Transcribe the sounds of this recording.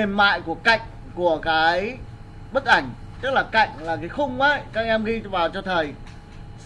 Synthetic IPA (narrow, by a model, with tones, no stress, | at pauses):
e˨˩mmːa̰ː˧˨jku˧˩əka̰˧˨jŋ̟ | ku˧˩əkaː˨˦j | ɓə˦˥t̚ʔa˧˩jŋ̟t͡ɕ̪ɨ˦˥k̚laː˨˩ka̰˧˨jŋ̟laː˨˩kaː˨˦jxʊ˧ŋ͡ma˨˦jkaː˦˥k̚ʔɛ˧mɣi˧vaː˨˩wt͡ɕɔ˧t̪ʰə˨˩j